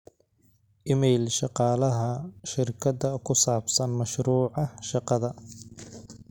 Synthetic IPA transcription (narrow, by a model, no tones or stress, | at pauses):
ʔɪmɛjlʃɑqɑːlɐɦɐʃɪrkʰɐd̪ɐkʰʊsaːbsɐnmɐʃɾuːʕɑʃɑqɑðɐ